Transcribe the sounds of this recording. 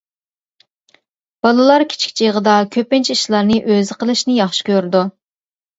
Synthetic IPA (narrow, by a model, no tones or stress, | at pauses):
b̥ɑlˠɨlˠɑɾkʲʰi̥t͡ʃʰi̥kʲt͡ʃʰiʁəd̪ɑkʲʰøpɪnt͡ʃʰiʃlˠɑɾnɨʔøzɪqʰəlˠɨʃnɪjɑχʃi̥kʲøɾd̪u